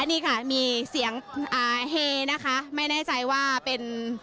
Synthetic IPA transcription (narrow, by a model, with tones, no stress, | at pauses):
a˧nːiː˥˩kʰa˥˩miː˧si˨˩˦əŋʔaː˨˩ɦeː˧na˦˥kʰa˦˥ma˥˩jnɛː˥˩t͡ɕa˧jwaː˥˩pe˧n